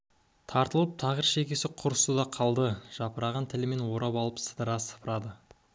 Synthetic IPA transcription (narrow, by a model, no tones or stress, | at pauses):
t̪ʰɑɾt̪əlˠəp̚t̪ʰɑʁəɾʃe̞kʲe̞sɪqʰʊɾəsud̪ɑqʰɑlˠd̪əʒ̥ɑpəɾɑʁɑnt̪ʰɪlɪme̞nwo̞ɾɑpɑlˠəpsə̥d̪əɾɑsə̥pʰəɾɑd̪ə